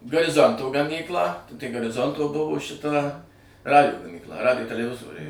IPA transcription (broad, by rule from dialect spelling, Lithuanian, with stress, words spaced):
ɡɐrʲɪˈzoːntoː ɡɐˈmʲiːklˠɑː tɐɪ ɡɐrʲɪˈzoːntoː ˈbʊʋoː ʃʲɪˈtɐ ˈrɑːdʲɪjoː ɡɐmʲiːkˈlˠɐ ˈrɑːdʲɪjoː tʲɛlʲɛˈʋʲɪzoːrʲɛɪ